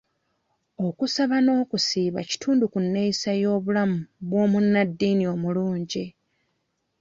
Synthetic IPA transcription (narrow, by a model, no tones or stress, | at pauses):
o̞kusaβano̞ːkusiːβa̰ci̥tʰuːndukunːe̞isajo̞ːβulamuβwo̞ːmunːadːiːnio̞muluːɲɟi